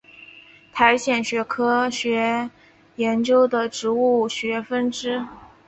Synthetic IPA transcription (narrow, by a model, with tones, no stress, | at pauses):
t̪ʰa˧˥ɪɕjɛ˥˩nɕɥɛ˧˥kʰɤ˥ɕɥɛ˧˥ | jɛ˧˥nt͡ɕjo˥ʊd̪ə˨ʈ͡ʂɻ̩˧˥u˥˩ɕɥɛ˧˥fə˥nʈ͡ʂɻ̩˥